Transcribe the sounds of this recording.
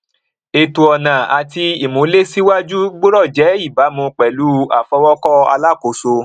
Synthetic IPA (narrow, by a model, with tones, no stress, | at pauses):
e˧tu˧ɔ˧nã˨a˨ti˧i˨mũ˨˦le˦si˦wa˦d͡ʒu˦ɡ͡bo˦ɾɔ˦˨d͡ʒɛ˨˦i˦˨ba˨˦mũ˧k͡pɛ˨lu˨˦a˨fɔ˧wɔ˦kɔ˦a̰˧la˦˨ko˨˦so˧